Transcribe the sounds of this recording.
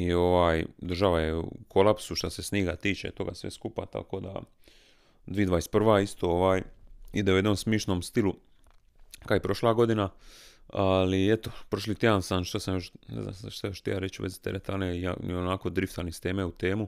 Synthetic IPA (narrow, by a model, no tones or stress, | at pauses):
io̞ʋaːjd̪ɾr̩ʒaʋajeṵkʰo̞lapsuʃt̪ase̞sniːɡat̪iːt͡ʃḛt̪o̞ɡa̰sʋḛskupa̰t̪a̰ko̞ːd̪a̰ | d̪ʋiːd̪ʋaːespr̩ʋaːist̪o̞ːoʋaːjid̪eujed̪noːmsmiʃno̞ːmst̪ilu | kajipɾo̞ʃlaːɡo̞d̪ina | aliet̪opɾoʃ̬lit̪jed̪ansamʃt̪asamjo̞ʃnḛzna̰maʃt̪ajoʃt̪ijaːɾet͡ʃuʋezi̥t̪eɾet̪aneija̰onako̞d̪ɾift̪anist̪eːmeut̪e̞ːmu